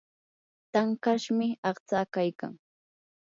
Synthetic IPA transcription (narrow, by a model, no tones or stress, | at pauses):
t̪aŋkaʃmɪɑχt͡saːkajka̰ŋ